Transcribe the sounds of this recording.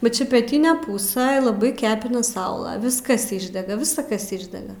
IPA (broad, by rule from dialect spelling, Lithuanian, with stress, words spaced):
bʲɛt ˈt͡ʃʲɛ pʲɛˈtʲɪnʲɛ ˈpuːsɘ lˠɐˈbɐɪ ˈkʲæːpʲɪnɐ ˈsɐʊlˠɐ ˈʋʲɪskɐs ˈɪʒʲdʲɛɡɐ ˈʋʲɪsɐ ˈkɐs ˈɪʒʲdʲɛɡɐ